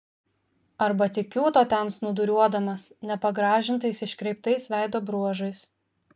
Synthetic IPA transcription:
ɐɾbɐt̪ʲɪkʲuːt̪oːt̪ʲɛnsnʊd̪ʊɾʲuɔd̪ɐmɐsnʲɛpɐɡɾɑːʒʲɪnt̪ɐɪsɪʃʲkɾʲɛɪp̚t̪ɐɪsʋʲæˑɪd̪oːbɾuɔʒɐɪs

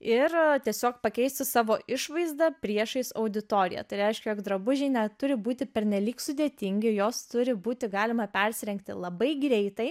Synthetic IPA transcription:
ɪrt̪ʲiɛsʲoːkpɐkʲɛɪsʲt͡s̪ʲsʲʊsɑːʋoːʔʔɪʃʋɐɪzd̪ɐpʲɾʲiɛʃɐɪsɐʊd̪ʲɪt̪oːɾʲɪ̰jɛ̰t̪ɐɪɾʲɛɪʃʲkʲɛjoːkd̪ɾɐbʊʒʲɪɪnʲɛt̪ʊɾʲɪbuːt̪ʲɪpʲɛɾʲnʲɛlʲiːksʊd̪ʲeːt̪ʲɪŋʲɡʲɪjoːst̪ʊɾʲɪbuːt̪ʲɪɡɑːlʲɪmɐpʲɛɾʲsʲɪɾʲɛŋʲk̚t̪ʲɪlˠɐbɐɪɡɾʲɛɪt̪ɐɪ

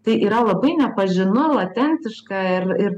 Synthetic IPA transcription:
t̪ɐɪʔiːɾɐlˠɐbɐɪnʲɛpɐʒʲɪnʊlˠɐt̪ʲɛnʲt̪ʲɪʃkɑɪɾɪɾ

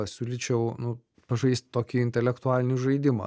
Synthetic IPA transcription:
ɐsʲuːlʲɪt͡ʃʲɛʊnʊ | pɐʒɐɪsʲt̪ʲt̪oːkʲiɪnʲt̪ʲɛlʲɛkt̪ʊaːlʲɪnʲuʒɐɪd̪ʲɪmɐ̰ː

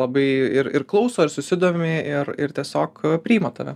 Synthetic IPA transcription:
lˠɐbɐɪɪɾɪrklˠɐʊsoːɪɾsʊsʲɪd̪oːmʲɪɪrɪɾt̪ʲiɛsʲoːkpʲɾʲiːmot̪ɐʋʲɛ

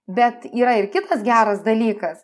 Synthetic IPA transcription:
bʲɛt̪iːɾɐɪrkʲɪt̪ɐsɡʲæːɾɐsd̪ɐlʲiːkɐs

